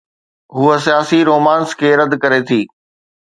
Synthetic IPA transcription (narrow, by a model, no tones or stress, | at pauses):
ɦuːəsijaːsiɾoːmãːnskʰeːɾɐd̪kɐɾet̪ʰiː